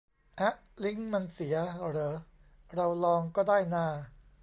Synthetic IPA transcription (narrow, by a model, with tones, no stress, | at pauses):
ʔa˦˥ʔ | li˦˥ŋma˧nsi˩˦ɐɾɤː˧˩ | ɾa˧wlɔː˧ŋkɔː˥˩daː˥˩jnaː˥˩